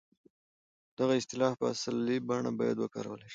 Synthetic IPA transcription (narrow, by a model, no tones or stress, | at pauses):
d̪̥aɣaɪst̪ɪlɑfpəasalːibaɳabɑjad̪wəkɑ̰ɾa̰wəleʃi̥